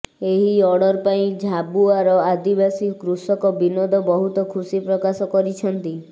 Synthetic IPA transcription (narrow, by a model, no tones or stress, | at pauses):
eɦiɔɽɔɾpaĩd͡ʒʱabuaɾɔad̪ibasikɾusɔkɔbinɔd̪ʱɔbɔɦut̪ɔkʰusipɾɔkasɔkɔɾit͡ʃʰɔnt̪i